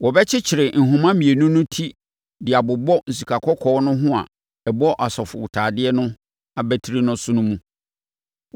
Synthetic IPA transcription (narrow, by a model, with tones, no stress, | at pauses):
wɔ˨bɛ˦t͡ɕʰɪ˦t͡ɕʰɪ˨ɾɪ˨n̩˨ɦʊ̃˨mã˦mĩ˨e˨nũ˦nʊ̃˦tʰi˦ | dɪ˨a˨bʊ˨bɔ˦n̩˨su˨kʰa˨kʰɔ˦kʰɔː˦nʊ̃˦ɦʊ̃˦a̰˨ | ɛ˨bɔ˦ʔa˨sɔ˨fʊ̰˨wʊ˨tʰaː˨dɪ˦ɛ˦nʊ̃˦ | a˨bæ˦tʰi˦ɾi˦nʊ̃˦sʊ̃˦nʊ̃˦mũ˦